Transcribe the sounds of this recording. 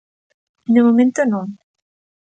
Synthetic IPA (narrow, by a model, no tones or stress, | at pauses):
d̪emomẽnt̪onõŋ